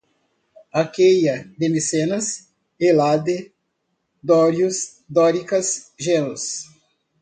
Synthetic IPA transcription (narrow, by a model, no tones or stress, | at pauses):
akejɐd̪ɪmisenɐs | elad̪ɪ | d̪ɔɾjʊs | d̪ɔɾikɐsʒenʊs